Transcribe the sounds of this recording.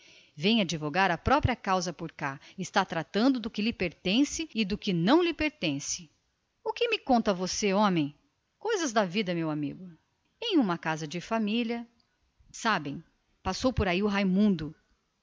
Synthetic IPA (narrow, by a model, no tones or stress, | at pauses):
vẽj̃ad͡ʒivoɡaɾɐpɾɔpɾiɐkawzɐpoɾkaɪst̪at̪ɾat̪ɐ̃nd̪ʊd̪ʊkɪlɪpeɾt̪ẽsɪɪd̪ʊkɪnɐ̃w̃lɪpeɾt̪ẽsɪ̥ | ʊkɪmɪkõnt̪ɐvoseõmẽj̃ | kojzɐzd̪ɐvid̪ɐmewamḭɡʊ | ẽj̃ũmɐkazɐd͡ʒɪfamiljɐ | sabẽj̃ | pasowpoɾaiʊɦajmũnd̪ʊ